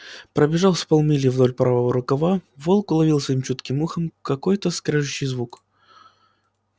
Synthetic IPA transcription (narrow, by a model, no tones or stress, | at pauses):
pɾəbʲɪʐalˠspɐlˠmʲilʲɪvd̪olʲpɾavəvəɾʊkɐvavolˠkʊlˠɐvʲilˠsɐimt͡ɕut̪kʲɪmuxəmkɐkojt̪əskɾʲɛʐɨɕːɪjzvuk